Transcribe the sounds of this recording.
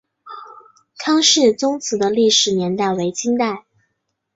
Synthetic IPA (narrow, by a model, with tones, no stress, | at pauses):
kʰɑ˥ŋʂɻ̩˥˩t͡sʊ˥ŋt͡sʰɹ̩˧˥d̪ə˧li˥˩ʂɻ̩˨˩njɛ˧˥nt̪a˥˩ɪwe˧˥ɪt͡ɕi˥ŋt̪a˥˩ɪ